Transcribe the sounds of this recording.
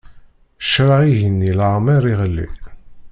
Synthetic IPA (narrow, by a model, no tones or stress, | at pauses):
ʃɾaʁiʝənːilaʕmiɾˤiʁəlːḭ